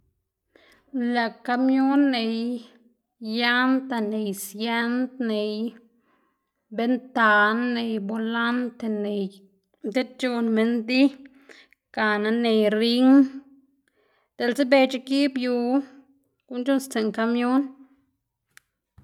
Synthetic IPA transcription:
la˨ka˧mjo˦nːe˧j | ja˦nt̪a˧ne˨jsje˦nt̪ne˨j | be˦nt̪a˨nːe˧jbo˨la˦nt̪e˧ne˨j | d̪e˦t̪̚t͡ʃo˧nme˧nd̪i˦ | ka˨na˧ne˨jɾi˦ŋ | d̪̥e˨lze˦be˧t͡ʃe˦ki˦bju˨˧ | ku˦nt͡ʃu˦nst͡se˨ŋka˧mjo˦n

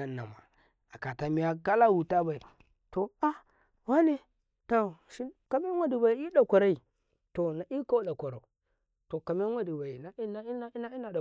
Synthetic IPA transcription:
a˦nːa̰˨ma̰˨ | a˨ka˨ta˨mi˨ja˨ka˦la˦wu˨ta˦ba˨i˨ | to˨a˦ | wa˦ne˦ | to˨ʃi˦ka˨me˦wa˨di˨ba˨i˦i˦ɗa˨kʷa˨ɾa˦i˨ | to˨na˨i˦ka˦ɗa˨kʷa˨ɾa̰˨u˨ | to˨ka˨me˦wa˦di˨ba˨i˨na˨˦n˦n˦na˦i˦na˨da˨

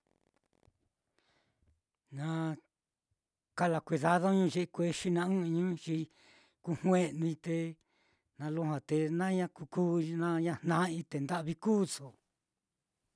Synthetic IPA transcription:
nã˧ | ka˦˧la˧kʷe˧ða˧ðo˦ɲũ˦ʒe˧ʔkʷe˦ʃi˦nã˧ũ˦ĩ˧ɲũ˦t͡ʃi˧ | ku˧hw̃ẽ˦nũ˧ĩ˧t̪e˧ | nã˧lo˦ɦã˨t̪e˧nã˦ɲã˦ku˧kuː˦˧nã˦ɲã˦˧nnã˧˦ĩ˧t̪e˨nd̪a˦ʔβi˧kuː˦so˨

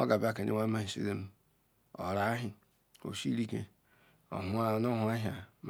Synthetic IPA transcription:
o̰˦ɡa˨ba˦˨ke˨nḭ˦wa˦ma˦hi˨sḭ˦ɾe˦m˦ | o̰˨ɾa˨˦ɦi˦˨ | o̰˨si˦ɾi˦kḛ˨ | o̰˨ɦʊ˦a˦˨no˦ɦu˨˦e˦ɦja˨m

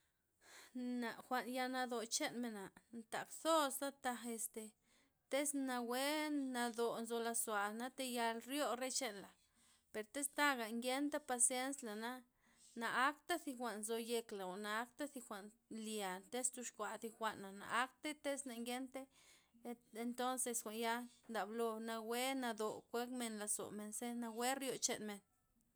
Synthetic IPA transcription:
na˨xʷa˨nja˧na˧d̪o˨t͡ʃe˦nme˨na˨nt̪a̰˨kso˦sd̪a˦t̪a˧e˧st̪e˨ | t̪e˦sna˧we˦na˧d̪o˨nzo˧la˧swa˨na˦t̪e˧ja˧lɾjo˦ɾe˦t͡ʃe˦nla˨ | pe˨ɾt̪e˦st̪a˦ɡa˨ŋɡje˦nt̪a˦pa˧sje˦nsla˨na˦ | naː˧˦kt̪a˦θi˧xʷa˨nzo˧je˧kla˨a˨na˧a˦kt̪a˦θi˧xʷa˨ʔn | lja˨nt̪e˦st̪u˧ʃkʷa˨d̪i˧xʷa˨ʔnːa˨na̰˨a˦k̚t̪e˦t̪e˦sna˧ŋɡe˦nt̪e˦ | e˧nt̪o˦nse˧skʷa˨nja˦nd̪a˨blo˧na˧we˦na˧d̪o˨kʷe˦kme˧nla˧so̰˨me˧nse˦na˧we˦ɾjo˧t͡ʃḛ˨nme˨n

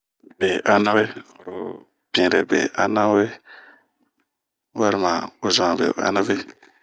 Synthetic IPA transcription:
be˨ʔa˦na˦we˦˨ɾ | bĩ˨ɾɛ˨bḛ˨ʔa˦na˦we˦ | wa˦ɾi˨ma˨o˦zã˨bḛ˨a̰˦na˦ve˦

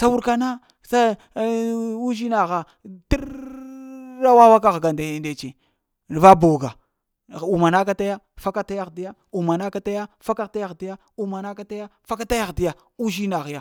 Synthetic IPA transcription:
sa˦wu˦ɾka˦na˦ | sa˦ | u˦ʒi˦na˨ɣa˨ | ti˦ɾ | a˦wa˦wa˦k̬a˦ɣɡa˨nda˨nde˨t͡ʃe˨ | n˨va˦bu˨wɡa˨ | u˨ma˨na˦ka˦ta˦ja˦ | fa˦ka˦ta˦ja˦ɣdi˦ja˦ | u˨ma˨na˦ka˦ta˦ja˦fa˦ka˦ta˦ja˦˨ɣti˦ja˦ | u˦ma˨na˦ka˦ta˦ja˦fa˦ka˦ta˦ja˦˨ɣdi˦ja˨ | u˦ʒi˦na˨ɣja˨

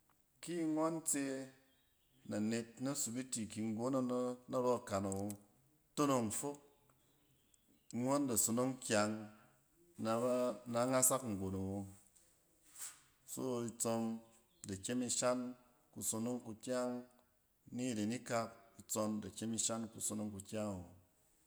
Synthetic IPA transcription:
ki˦ŋʷa˦nt͡se˧ | na˨ne˧t̚na˦su˨bi˦ti˨ki˧ŋ̩˦ɡo˨˦na˦na˦ɾɔ˦a˨ka˨na˨wo˧ | to˦no˨ŋ˨fo˦k̚ | ŋʷa˦nda˨so˧no˦ŋkʲa˧ŋ | na˧˦na˨˧˦ŋa˦sa˦kŋ̩˨ɡʷo˨na˨wo˧ | so̰˦i˧t͡sɔ˧n | da˨kʲe˦mi˧ʃa˦n | ku˧so˧no˦ŋku˧kʲa˦ŋ | ni˦˨ɾe˨ni˦ka˧p̚i˧t͡sɔ˧nda˨kʲe˦mi˧ʃa˦nku˨so˧no˦ŋku˧kʲa˦ŋa˨wo˨

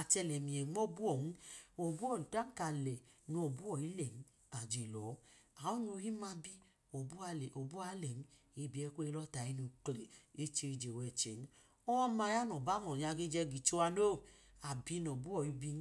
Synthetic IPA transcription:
a˧˨t͡ʃɛ˧lɛ˨mi˨ɛ˨˦o˦˨bu˦ɔ˨nu˦o˨bu˦ɔ˦˨n˨ta˦n̩˦ka˧˨lɛ˨no˨bu˦ɔ˨i˦lɛ˨n̩˦ | a˨d͡ʒe˨lɔ˨˦a˨o˦nu˧˦hi˦ma˧bi˦ | o˨bu˦a˧lɛ˨ʔo˨bu˦a˨˦lɛ˨n˦ | i˧˦˨bi˨˦ɛ˧˦kʷu˦e˧lɔ˦ta˨i˦nu˨˧kle˨e˦t͡ʃe˧ɾi˧d͡ʒe˨wɛ˨t͡ʃɛ˨n˦ | ɔ˦ma˧˦ja˦nɔ˨ba˦mɔ˨ɲa˧ɡi˦d͡ʒɛ˧ɡi˨t͡ʃo˧wa˧no˦˨ | a˨bi˦no˨bu˦ɔ˨i˦bi˧n˦

